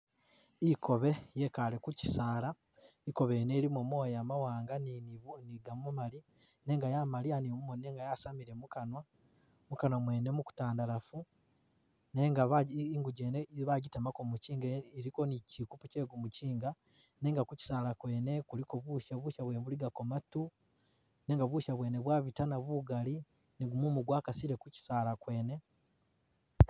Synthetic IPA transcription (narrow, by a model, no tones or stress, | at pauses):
ikʰo̞βe̞je̞kalekuci̥saːla | iko̞βeneːɾimumo̞ːjaːmawaːŋɡanniɡaumali | ne̞ːŋɡajamalianimumoneːŋɡajasamiɾe̞mukanwa | mukanwamwe̞ːne̞muku̥taːndalafu | neŋɡaβaiŋɡuɟeːneβaɟitamako̞muciːŋɡeiɾiko̞nicikupuce̞ːɡumuciːŋɡa | ne̞ːŋɡakuci̥saːlakwe̞ːnekuliko̞βuːʃaβuʃaβweːneβuliɡakomatu | ne̞ːŋɡaβuʃaβwe̞ːne̞βwaːβitanaβuɡali | niɡumumuɡwaːkasiɾe̞kuci̥saːlakwe̞ːne̞